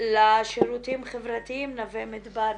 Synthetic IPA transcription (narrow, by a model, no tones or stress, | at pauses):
laʃeɾut̪imχevɾat̪iimnavemid̪baɾ